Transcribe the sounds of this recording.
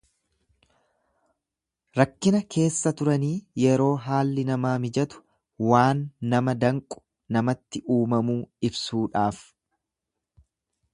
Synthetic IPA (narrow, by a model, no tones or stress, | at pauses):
ɾɐkːɪnɐkʰe̞ːsːɐt̪ʊɾɐniːjɛɾo̞ːɦaːlːɪnɐmaːmɪd͡ʒɐt̪ʊ̥ | waːnːɐmɐd̪ɐŋkʼʊ̥ | nɐmɐt̪ːɪʔuːmɐmuːɪbsuːᶑaːf